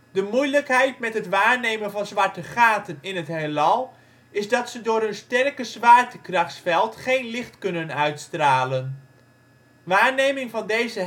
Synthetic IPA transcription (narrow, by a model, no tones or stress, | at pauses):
dəmujləkɦɛjt̚mɛtɦətʋaːɹnejmənvɑnzʋaɹtəχaːtənɪnətɦelɑlˠ | ɪzdɑtsədʊːɾɵnstɛrkəzʋaːɹtəkrɑχsfɛlˠtχejnlɪχtkɵnənœɥtstraːlən | ʋaːɹnejmɪŋvɑndejzə